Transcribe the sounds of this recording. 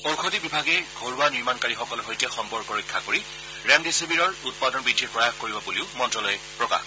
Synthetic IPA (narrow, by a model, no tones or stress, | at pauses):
owkʰotibibʱaɡɛɡʱoɹuaniɹmankaɹixɔkɔlɔɦojtɛxɔmpɔɹkɔɹikʰːakoɹi | ɹɛŋdisebiɹɔɹut̚padɔnbɹidʱːiɹpɹɔjaxkoɹibɔbuliʊmɔntɹɔlɔjɛ | pɹɔka̰x